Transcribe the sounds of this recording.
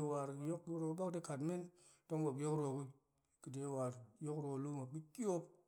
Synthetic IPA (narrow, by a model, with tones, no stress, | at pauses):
wa˨ɾjo˦kːɾo˨ku˦ba˦kde˦ka˨tme˦n | to˦ŋwo˨pjo˦kɾo˨ki˦ | ki˨de˨˦wa˨ɾjo˦kɾo˨lu˦ma˨bi˦ki˦o˦p